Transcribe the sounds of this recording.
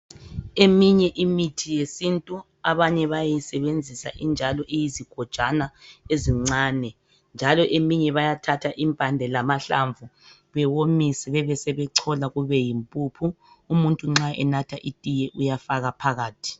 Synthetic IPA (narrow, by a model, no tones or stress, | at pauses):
emiɲɛʔimitʰijesintʼu | aβaɲɛβajisɛβend͡zʱisa̰ʔind͡ʒʱalɔʔejiziɡ̥ʱɔd̥ʒ̥ʼanaeziŋ͡ǀaːnɛ | nd͡ʒʱalɔʔemiɲɛβajatʰatʰaʔimpʼandʱɛlamaɬa̰ɱvʱu | βɛwomisɛβɛβɛsɛβɛǀʰɔlaɣuβɛjimpʼupʰuː | muntʼuŋ͡ǁaʔɛnatʰaʔitʼijɛʔujafaɣapʰaɣaːtʰi̥